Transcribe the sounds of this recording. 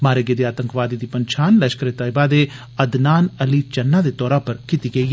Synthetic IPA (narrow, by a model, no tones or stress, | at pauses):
maːɾeɡed̪eaːt̪ə̃ŋkʋaːd̪iːd̪iːpəɲt͡ʃʰaːnlɛʃkəɾet̪əɪbaːd̪eː | əd̪naːnəliːt͡ʃɐnːaːd̪eːt̪ɔːɾapəɾkit̪iɡəiː